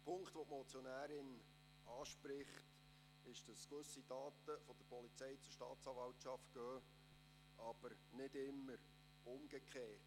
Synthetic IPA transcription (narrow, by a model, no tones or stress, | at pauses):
pʰʊŋkχt̪ʋɔtmɔt͡sjonæːɾɪn | ʔɑːʃpɾɪχt | ɪʃd̥ɑskʋɵsid̥ɑːt̪əfɔd̥əɾpɔlit͡sɛjt͡sʊɾʃtɑːt̪t͡sɑːvɑltʃɑft̚ɡ̥œː | ʔɑb̥əɾ | nɪdɪmːəɾ | ʊmɡ̥əkʰχeːt